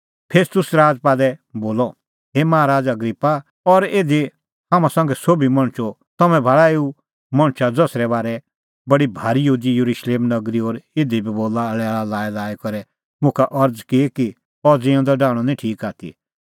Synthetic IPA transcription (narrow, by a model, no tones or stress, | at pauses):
pʰeːst̪ʊsɾaːd͡zpaːd̪ɛboːlɔ | ɦeːmaaɾaːd͡zɐɡɾipːa | ɔɾeːd̪i | hãːmãsãːŋɡɛsoːbimɐ̃ɽ̃t͡ʃɔ | t̪ɐmɛ̃bʱaɭaeːu | mɐ̃ɽ̃t͡ʃad͡zɔsɾɛbaːɾɛ | bɐɽibʱaːɾijɦuːd̪ijɐɾuʃleːmnɐɡɾiɔːɾed̪ibiboːlaɭɛaːɭalaːɛlaːɛkɔɾɛ | mʊ̃kʰaʔɐɾd͡zkiki | ɔd͡zẽːɔ̃d̪ɔɖaːɽ̃ɔnĩʈʰiːkaːt̪ʰḭ